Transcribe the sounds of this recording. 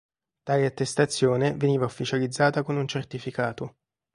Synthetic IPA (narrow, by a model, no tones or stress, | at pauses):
t̪aːleat̪ːest̪at̪sːjoːneveniːvaufːit͡ʃalid̪zːaːt̪akonunt͡ʃert̪ifikaːt̪o